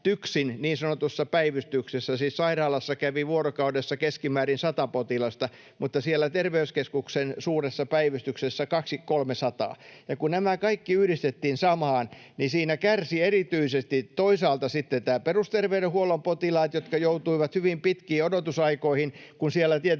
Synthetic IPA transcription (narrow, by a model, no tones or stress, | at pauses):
t̪yksinniːnsɑnot̪usːɑpæiʋyst̪yksesːæsiːssɑirɑːlɑsːɑkæʋiʋuorokɑudesːɑkeskimæːrinsɑt̪ɑpot̪ilɑst̪ɑ | mut̪ːɑsielːˑæt̪erʋeyskeskuksensuːresːɑpæiʋyst̪yksesːækɑksikkolmesɑt̪ɑ̰ːjɑkunnæmækɑikːiyhdist̪et̪ːiːnsɑmɑːn | nisiːnækærsierit̪yisest̪it̪oisɑːlt̪ɑsit̪ːet̪æːperust̪erʋeyɾehuolompot̪ilɑːt̪jot̪kɑjout̪uiʋɑt̪hyʋimpit̪kiːodot̪usɑikoihinkunsielːˑæt̪iet